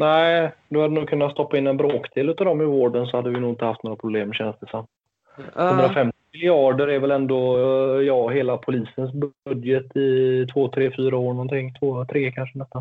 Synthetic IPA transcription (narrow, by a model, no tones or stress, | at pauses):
næɪd̪ɵhad̪ːənuːɡ̚kʰɵnːat̪st̪ɔpːaɪnːɛnbɾoːkd̪eːlʉːt̪ad̪ɔmːɪvoːɖəns̬ɔhad̪ːəvɪnuːɪnt̪əhaft̪noːɾapʰɾʊbleːmɕɛnst̪ɛsamː | hɵnd̪ɾafɛmt̪ɪɪmɪlɪɑːɖəɾɛɾvɛlɛnd̪ɔjɑːɦeːlapʰʊliːsəns̬bɵd̪jət̪ɪt̪ʰvoːt̪ʰɾeːfyːɾaoːɳɔnt̪ʰɪŋːt̪ʰvoːt̪ʰɾeːkʰanʂənɛst̪an